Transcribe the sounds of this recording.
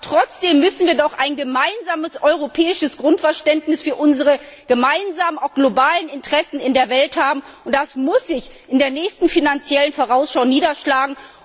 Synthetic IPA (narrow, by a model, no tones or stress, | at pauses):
tʁ̥ɔt͡sd̥eːmːʏsn̩viːɐdɔχaɪnɡəmaɪnzaːməsʔɔʏʁopʰɛːɪʃəsɡ̥ʁʊntfɛɐʃtɛntnɪsfyːɐʔʊnzəʁə | ɡ̥əmaɪnzaːmənaʊxɡ̥lobaːlənɪntəʁ̥ɛsn̩ɪndeːɐvɛlthaːbm̩ | ʔʊnt̚d̥asmʊsz̥ɪç | ɪndeːɐnɛːçstn̩finant͡sjɛlənfoːʁ̞aʊsʃaʊniːdɐʃlaːɡŋ̩